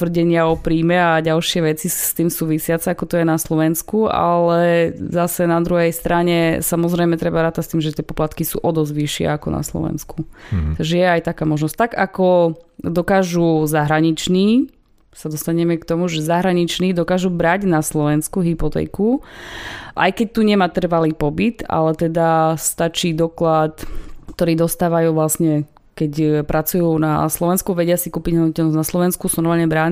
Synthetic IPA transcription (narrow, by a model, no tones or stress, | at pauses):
t̪ʋr̩ɟɛɲɪaɔpɾiːmɛaɟalʃɪɛʋɛt͡sist̪iːmsuːʋisɪat͡sɛakɔt̪ɔjɛnaslɔʋɛnskua̰lɛzasɛnad̪ɾuɦɛjst̪ɾaɲɛsamɔzɾɛjmɛt̪ɾɛbaɾaːt̪ast̪iːmʒɛt̪ɪɛpɔplat̪kisṵːʔɔd̪ɔzʋiʃɪɛ̰akɔna̰slɔ̰ʋɛ̰nskut̪aɡʒɛjɛajt̪akaːmɔʒnɔsct̪aɡakɔd̪ɔkaːʒuzaɦɾaɲit͡ʃniː | sad̪ɔst̪aɲɛmɛkt̪ɔmuʒɛzaɦɾaɲit͡ʃniːd̪ɔkaːʒubɾaɟnaslɔʋɛnskuɦipɔt̪ɛ̰ːku | ʔa̰jkɛc̚t̪uɲɛmaːt̪r̩ʋaliːpɔbit̪a̰lɛt̪ɛd̪ast̪at͡ʃiːd̪ɔklat̪kt̪ɔɾiːd̪ɔst̪aːʋajuːʋlasɲɛ | kɛcpɾʔat͡sujuːna̰slɔʋɛnskuʋɛɟɪasikuːpiɟɦɔdɔd̪ɔcɛlnɔznaslɔʋɛnskusɔɾmaːlɲɛbɾaː